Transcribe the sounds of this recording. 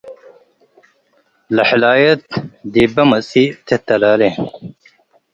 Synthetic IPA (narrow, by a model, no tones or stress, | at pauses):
lɐħilaːjɐt̪d̪ibɐmɐsit̪ʰet̪ɐlaːle